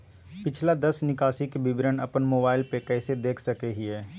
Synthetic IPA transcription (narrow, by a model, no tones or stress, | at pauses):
pɪt͡ʃʰlad̪ɐsnɪkaːsikebɪbɾənɐpənmoːbaːɪlpekɛːsed̪eːkʰsɐkeɦiɛː